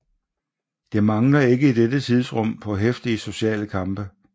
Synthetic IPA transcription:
d̥e̝mɑ̈ŋlɐe̝ɡ̥əid̥edət͡sʰið̞ˠsʁɔ̽m̰pʰɒ̽ɦefd̥iəso̝ɕɛ̰ːləkʰɑ̈mb̥ə

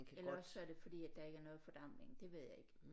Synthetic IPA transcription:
elɐɒssɒd̥ɾefɒ̽d̥ḭːæd̥ɑ̈e̝ɡ̥æɐnɔ̽ːð̞̩ˠfɒ̽d̥ɑ̈m̰le̝ŋd̥e̝ʋe̝ð̞̰ˠjɑ̈ɪe̝ɡ̥

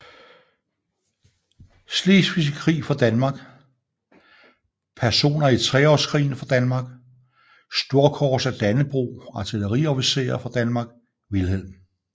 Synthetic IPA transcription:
slesfisikʰʁḭːfɒ̽d̥ænmɑ̈ːɡ̥ | pʰæɐso̝̰ːnɐit͡sʰʁɛɒ̰skʰʁḭːn̩fɒd̥ænmɑ̈ɡ̥ | sd̥o̝ɐkʰɒːsæd̥ænəb̥ʁṵːɑ̈t͡sʰiləʁiɒfise̝̰ːɐfɑd̥ænmɑ̈ɡ̥ | ʋilhel̰ˠn̩

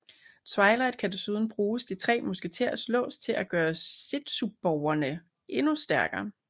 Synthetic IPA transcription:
t͡sʰʋɑ̈ɪlɑ̈ɪd̥̚kʰæd̥osuːð̞ˠn̩b̥ʁuːsd̥it͡sʰʁɛ̰ːmusɡ̥et͡sʰe̝ɐ̰slɔ̰̽ːst͡sʰe̝lʔæɡ̥ɶːɐse̝d̥sub̥̚ːɒʊ̰ɐnə | ʔe̝nusd̥æɐɡ̥ɐː

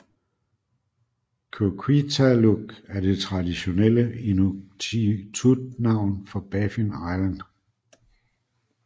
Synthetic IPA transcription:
kʰokʰwit͡sʰæloɡ̥æɐde̝t͡sʰʁɑ̈d̥iɕo̝nel̰əinuit͡sʰud̥nɑ̈ʊ̰nfɒ̽b̥ɛfinɑ̈ɪlænd̥

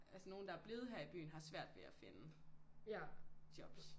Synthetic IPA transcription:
ælsəno̝ːn̩d̥ɑ̈æɐb̥le̝ːð̞̩ˠɦæɐib̥y̰ːn̩ɦɑ̈sʋæɐ̰d̥ʋe̝æfe̝nə | d̥jɒ̽b̥s

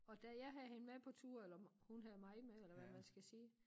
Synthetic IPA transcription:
ɒ̽d̥æjɑ̈ɪɦæðhe̝nəmepʰɒ̽t͡sʰuɐ̰elɐhunɦæðˠmɑ̈ɪmeelɐʋæmænsɡ̥æsiː

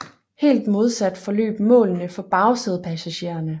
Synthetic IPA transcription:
he̝̰ːld̥mo̝ð̞ˠsæd̥fɒ̽lø̰ːb̥mɔ̰̽ːlnəfɒ̽b̥ɑ̈ʊseð̞̩ˠpʰæsæɕe̝̰ːɐnə

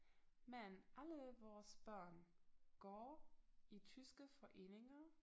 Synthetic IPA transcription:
mænʔæləʋɒːsb̥ɶɐ̰nɡ̥ɒːit͡sʰysɡ̥əfɒ̽ʔe̝̰ːne̝ŋɐ

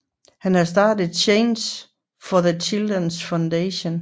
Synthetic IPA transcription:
hænhɑ̈sd̥ɑ̈ːd̥ð̩ˠt͡ɕʰeɪns | fɒðət͡ɕʰild̥ənsfäʊndeɕon

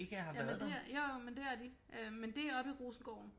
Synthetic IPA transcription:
e̝ɡ̥əhɑ̈ʋjææɐðd̥e̝æjojmend̥eæɐd̥i | ʔømend̥e̝æɐɒ̽b̥iʁoːsn̩ɡ̥ɒʊ̰n̩

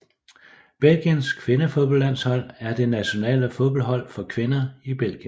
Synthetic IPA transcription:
b̥el̰ɡ̥jənskʰʋe̝nəfo̝ðˠb̥ɒlæn̰shɒ̽l̰æɐd̥e̝næɕo̝nɛ̰ːləfo̝ðˠb̥ɒlɦɒ̽l̰fɒ̽kʰʋe̝nɐib̥el̰ɡ̥jənn

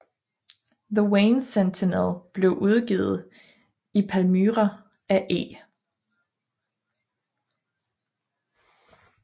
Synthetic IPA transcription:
ðəweɪnsent͡sʰenelˠb̥le̝ʊʔuð̞ˠɡ̥ḭːð̞̩ˠ | ipʰælmyːʁɐ | æʔḛː

